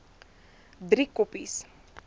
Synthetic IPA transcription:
d̪ɾikɔpis

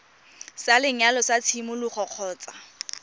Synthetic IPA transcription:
salɪŋ̩alɔsat͡sʰimʊlʊχʰɔq͡χʰɔːt͡sʼa

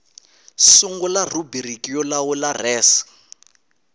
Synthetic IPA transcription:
suŋɡɔlarubirikijɔlawularɛːs

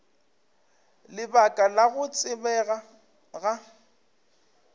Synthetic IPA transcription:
lɪbakʼalaɣʊt͡sʼɪbɛɣa | ɣa

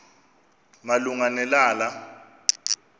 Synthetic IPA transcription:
maluŋanɛlaːla

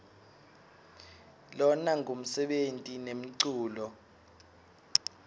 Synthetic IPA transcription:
lɔnaŋɡʱom̩sɛɓentʼinem̩ǀuːlɔ

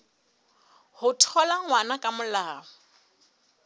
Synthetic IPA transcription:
hʊtʰɔlaŋ̩wanakʼamʊlaːʊ

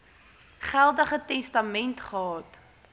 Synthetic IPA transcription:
χælˠdəχətɛstɐmɛntχəɦɑːt

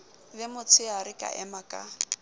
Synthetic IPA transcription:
lɪmʊt͡sʰɪaɾɪkʼa̰ʔɛmakʼa̰

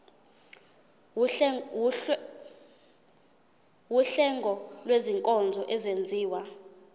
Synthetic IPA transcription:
wuɬɛŋɡʱɔlweziŋkʼɔnd͡zʱɔʔɛzend͡zʱiːwa

